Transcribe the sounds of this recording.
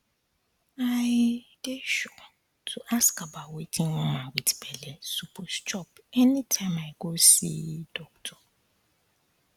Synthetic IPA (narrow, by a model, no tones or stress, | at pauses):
aɪjdeʃɔ | tʰuʔaskabawetʰĩŋwɔ̃mãwitʰi̥pʰɛliɛsupʰost͡ʃɔp | ɛnĩtʰãɪ̃maɪɡosḭdɔk̚tʰɔ̥